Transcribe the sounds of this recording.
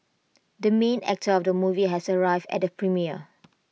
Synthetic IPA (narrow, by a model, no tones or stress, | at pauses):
dəmẽnɛ̰k̚tʰəɔfdəmuviɦɛsəɹaɪvdɛ̰t̚dəpʰɹĩmiə